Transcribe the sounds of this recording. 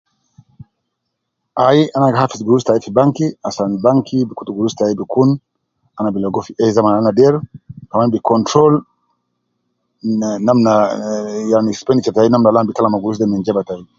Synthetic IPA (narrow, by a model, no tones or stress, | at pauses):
ʔajiʔanaɡaɦafisɡuɾustaifibaŋkiasanibaŋkʰibikutuɡuɾustajibikun | anabilɔɡɔfiɛzamananadɛɾkamanbikɔntɾɔl | namna | janispɛndit͡ʃɛtajinamnalanbikalamaɡuɾus̬dɛmɛnd͡ʒɛbataji